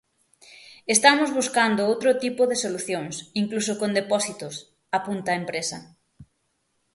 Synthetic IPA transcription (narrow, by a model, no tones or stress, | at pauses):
est̪amozβuskand̪ʊowt̪ɾʊt̪ipoðesoluθjoŋsiŋklusokõnd̪epɔsit̪ʊs | apunt̪aempɾesɐ̰